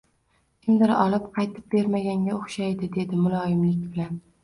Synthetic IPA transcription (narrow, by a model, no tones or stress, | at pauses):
kʲʰɪmd̪ɪɾɒ̰lˠɪpqʰɑjt̪ʰɪ̥p̚be̞ɾmaɡʲaŋɡʲaoχʃajd̪ɪd̪e̞d̪ɪmʊlˠɒjɪmlɪk̚ʲbɪlan